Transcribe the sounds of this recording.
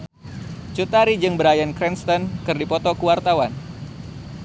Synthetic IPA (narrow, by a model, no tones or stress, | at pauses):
t͡ʃut̪aɾid͡ʒɨŋbəɾajankɾɛnst̪ɔnkɨrdipɔt̪ɔkuwart̪awan